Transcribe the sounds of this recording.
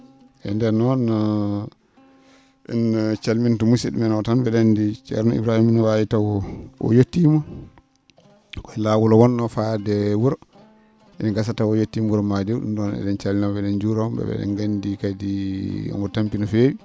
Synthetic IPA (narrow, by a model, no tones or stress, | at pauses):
ʔɛ̰ndɛnɔnːɔ | ʔɛ̰nːɔt͡ʃalmintumusḭɗumɛnwtanbɛɗandit͡ʃɛ̰ɾnɔḭbɾahimnɔwajitawɔʔɔ̰jotːimɔ | kɔɛlaːwulɔwɔnːɔfadɛwuɾɔ | ʔɛ̰naɡas̬atawɔjotːimuɾɔmadiwɗṵmdɔnɛ̰ɗɛnt͡ʃalːinabɛɗɛnd͡ʒuɾambɛ̰ɓɛ̰ɗɛ̰nɡandikadiɔ̰mɡɔtampinɔfewi